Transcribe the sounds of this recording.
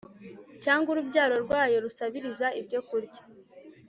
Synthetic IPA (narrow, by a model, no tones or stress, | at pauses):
caːŋɡuɾubɟaːɾo̞ɾɡwaːjo̞ɾusaβiɾizaibɟo̞kuɾɟḁ